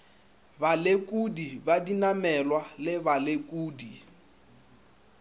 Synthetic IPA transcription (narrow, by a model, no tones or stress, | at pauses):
balekʼudibadinamɛlwalɪβalekʼuːdi